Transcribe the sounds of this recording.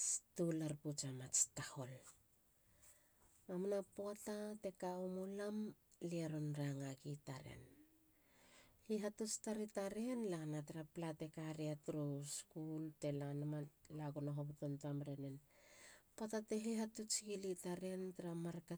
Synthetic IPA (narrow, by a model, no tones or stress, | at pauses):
stulaɾput͡ʃamat͡ʃtaho̞l | amnapoatate̞kaomolamliaɾonɾaŋaɡitaɾe̞̰n | hiɦatut͡ʃtaɾitaɾe̞nlaanataɾaplate̞kaɾiatuɾuskulte̞lanamalaɡonoɦoputontamɾenen | patate̞ɦiɦatut͡ʃiɡilitaɾe̞ntaɾamaɾka